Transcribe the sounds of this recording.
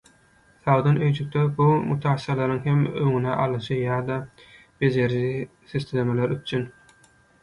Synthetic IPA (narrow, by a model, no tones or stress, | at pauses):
θɑwd̪ɑnøjt͡ʃʰyk̚t̪ʰebumut̪ʰɑːsiɾɑlˠɑɾɯŋɦe̞møŋyneʔɑlˠɯʃɯjɑːd̪ɑ | be̞zeɾʒi | sest̪elemeleɾyt͡ʃʰyn